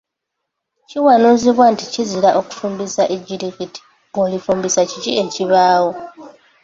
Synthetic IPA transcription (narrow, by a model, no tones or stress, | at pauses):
ciwanuːziβwanticizilaʔo̞ku̥fuːmbisaʔeɟːiɾikiti̥ | olifuːmbisacicie̞ciβaːwo